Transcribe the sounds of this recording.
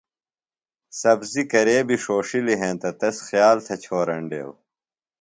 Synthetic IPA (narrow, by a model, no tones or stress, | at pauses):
sɐbzikɐɾeːbiʂoːʂiliɦẽːnt̪ɐt̪ɐsxjaːlt̪ʰɐt͡ɕʰoːɾɐɳɖḛːw